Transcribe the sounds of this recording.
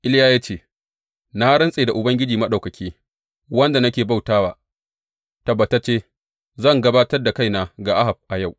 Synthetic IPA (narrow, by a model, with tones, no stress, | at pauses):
ʔɪ˦ljaː˦jaː˦t͡ʃeː˦ | na˦ɽɐ˦nsʼeː˨da˨ʔʊ˨bɐ˦ŋɡʲɪ˦d͡ʒiː˨mɐ˦ɗa˨wkɐ˨kʲiː˦ | wɐ˦nda˨nɐ˦kʲeː˨ba˦˨wtaː˦waː˨ | ta˨ba˨ta˦t͡ʃeː˦ | zɐ˦˨ŋɡɐ˦baː˦tɐ˦rda˨ka˦˨jnaː˨ɡa˨ʔa˦ɦa˨b̚ʔa˨ja˦˨w